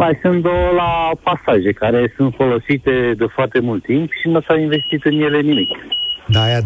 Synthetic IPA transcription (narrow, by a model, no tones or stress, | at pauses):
majsɨnd̪olapasaʒe̞kaɾe̞sunt̪fo̞lo̞sit̪e̞d̪efoart̪e̞mult̪ːimpʃiməsainve̞st̪it̪ɨnje̞le̞nimikʲd̪aja